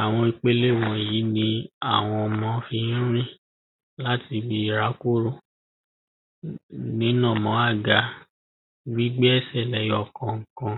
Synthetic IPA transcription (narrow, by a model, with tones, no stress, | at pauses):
a˨w̃ɔ̃˧i˧k͡pe˦le˦˨w̃ɔ̃˧e˨ji˨˦nĩ˧a˨w̃ɔ̃˧mɔ̃˧˦fi˧ñ̩˦ɾ̃ĩ˦ | la˦ti˧bi˧i˦˨ɾa˨˦ko˦˨ɾo˦˨ | nĩ˨˦nã˦˨mɔ̃˨˦a˦˨ɡa˨ | ɡ͡bi˦ɡ͡be˦ɛ˦˨sɛ˦˨lɛ˨˦jɔ˦˨kɔ̃˧ŋ̩˨kã˧